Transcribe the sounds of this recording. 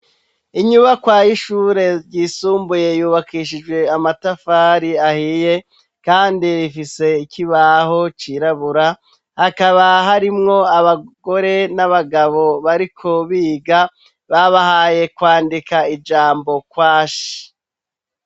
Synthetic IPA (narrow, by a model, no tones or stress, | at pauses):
iɲuβakwaːjiʃuːɾe̞ɾɟiːsuːmbuje̞juːβakiːʃid͡ʒɡwe̞amatafaːɾiahije̞ | kaːndiɾifise̞ikiβaho̞t͡ʃiɾaβuɾa | hakaβaɦaɾimŋo̞aβaɡ̥o̞ɾe̞naβaɡaβo̞βaɾikʰo̞βiːɡa | βaβahaːje̞kwaːndikaid͡ʒaːmbo̞kwaːʃi̥